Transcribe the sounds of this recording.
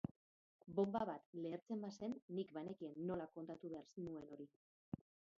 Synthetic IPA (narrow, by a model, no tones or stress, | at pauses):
bo̞mbaβat̪le̞ːɾt͡se̞mbase̞nːikbane̞kienːo̞lako̞nt̪at̪uβeaɾsinue̞no̞ɾi